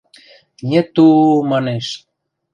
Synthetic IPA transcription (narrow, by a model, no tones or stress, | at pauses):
nʲet̪ːumɑneʃ